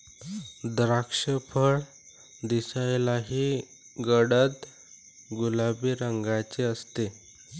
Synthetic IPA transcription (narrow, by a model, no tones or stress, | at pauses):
d̪ɾakʂəpʰəɭ | d̪isajlaɦiː | ɡəɽət̪ | ɡulabiːɾəŋɡat͡seəst̪e